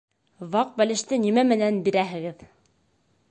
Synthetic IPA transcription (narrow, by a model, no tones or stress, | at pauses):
βɑq̚bælɘ̆ʃt̪ɘnimæmɘ̆nænbiɾæɦɘ̆ɡɘð